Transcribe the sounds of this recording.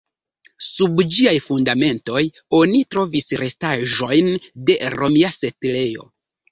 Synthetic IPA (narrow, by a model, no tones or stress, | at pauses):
subd͡ʒiajfundame̞nto̞j | o̞nitɾo̞visɾe̞staʒo̞jnde̞ɾo̞miase̞tle̞jo̞̰